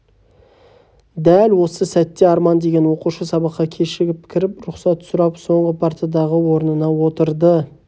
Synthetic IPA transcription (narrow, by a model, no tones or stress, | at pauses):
d̪ælwo̞səsæt̪ːe̞ɑɾmɑnd̪e̞ɡʲe̞nwo̞quʃəsɑbɑqːɑkʲʰe̞ʃɪɡʲɪpkʲʰɪɾɪpɾʊqsɑt̪sʊɾɑpso̞ɴʁəpʰaɾt̪ijad̪ɑʁəwo̞ɾnənɑwo̞t̪əɾd̪ə